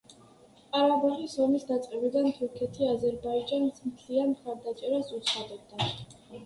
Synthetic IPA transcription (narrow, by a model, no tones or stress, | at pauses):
qʼaɾabaʁisɔmisd̪at̪sʼqʼɛbid̪ant̪ʰuɾkʰɛt̪ʰiazɛɾbaid͡ʒansmt̪ʰlianmχaɾd̪at͡ʃʼɛɾasut̪sʰχad̪ɔb̚d̪a